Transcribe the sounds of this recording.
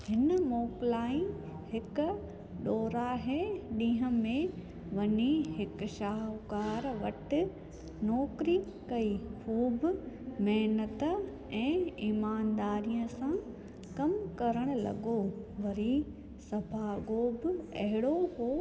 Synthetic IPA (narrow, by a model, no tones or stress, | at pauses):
hɪnəmɔːkɪlaːĩ | hɪk | ɗoːɾaɦeɗĩːɦə̃mẽ | ʋɐɲiɦɪkʃaːɦkaːɾʋɐʈɪ̆ | nɔːkɪɾi | kɐixuːbɪmɛɦnət̪ə | ɛ̃ːiːmaːnd̪aːɾijə̃sã | kɐmkɐɾəɽ̃̆lɐ̰ɠoʋɐɾi | sɐbʱaːɡoːbɪɐ̰ɦɪɽoɦoː